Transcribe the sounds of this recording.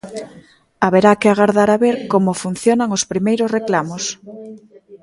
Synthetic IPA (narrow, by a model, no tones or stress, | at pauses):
aβeɾakɪaɣaɾðaɾaβeɾkomofun̟θjonaŋospɾimejɾosreklamos